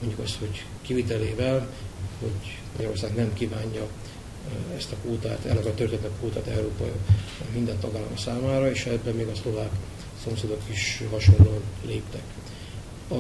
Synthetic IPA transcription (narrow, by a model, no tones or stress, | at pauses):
mo̞ɲɟukɒst̪ho̞ɟ | kivit̪ɛleːvɛlho̞̰ɟ | mɒɟɒɾo̞rsaːɡnɛmkiːvaːɲːɒ | ɛst̪ɒkoːt̪a̰ːt̪ɛ̰lːɛkɛt̪ørt̪et̪ːɛkoːt̪aːt̪ɛ̰ɾoːpɒ̰jo̰kmind̪ɛnt̪ɒɡaːlːɒ̰msaːmaːɾɒeːʃɛbːɛmeːɡɒslo̞vaːk | so̞mseːd̪o̞kiʃhɒʃo̞nlːoɒnleːpt̪ɛk | ɒ